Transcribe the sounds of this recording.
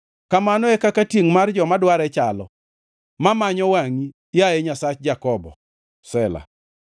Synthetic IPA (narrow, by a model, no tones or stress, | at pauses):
kamanoɛkakatjeŋmard͡ʒɔmadwaɾɛt͡ʃalɔ | mamaɲɔwaŋi | jajɛɲasat͡ʃd͡ʒakɔbɔ̰ | sɛla̰